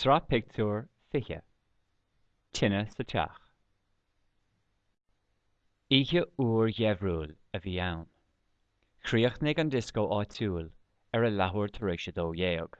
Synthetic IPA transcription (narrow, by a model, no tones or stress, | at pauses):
sɾapʰɪɡ̚t̪ʰuːɹ | fɪçə̰ | tʰɪnəsətʰa̰x | iːçəuːɹjɛvɹuːl | əviːawn | kɾiːəxnɛɡand̪ɪskoːʔɑːt̪ʰuːl | ɛɹəlaɦuɹt̪ʰəɹeʃəd̪oːjeːə̰ɡ̥